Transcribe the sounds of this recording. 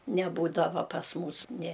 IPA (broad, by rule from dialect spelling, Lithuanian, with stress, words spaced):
nʲɛˈbuːdɐʋoː pɐs ˈmuːs nʲeː